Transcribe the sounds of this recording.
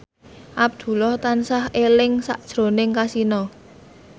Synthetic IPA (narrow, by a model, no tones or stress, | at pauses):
ʔab̚d̪̥ṳlɔht̪ansahelɪŋsa̰ʔd̥ʒ̥ɾo̤nɪŋkasinɔ